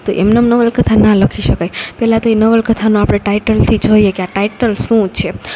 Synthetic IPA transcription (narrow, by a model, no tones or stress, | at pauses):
t̪oʔemnəmnəʋəlkət̪ʰanaləkʰiʃəkajpɛɦlat̪oenəʋəlkət̪ʰanõapɽ̃eʈaiʈəlt̪ʰid͡ʒoiekeaʈaiʈəlʃũt͡ʃʰe